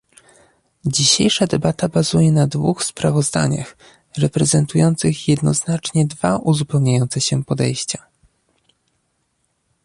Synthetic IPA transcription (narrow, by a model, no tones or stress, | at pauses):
d͡ʑiɕejʂad̪ɛbat̪abazujɛnad̪vuxspɾavɔzd̪a̰ɲa̰x | ɾɛpɾɛzɛnt̪ujɔnt̪sɘxjɛd̪nɔznat͡ʂɲɛd̪va̰ʔuzupɛwɲajɔnt̪sɛɕɛpɔd̪ɛ̰jɕt͡ɕa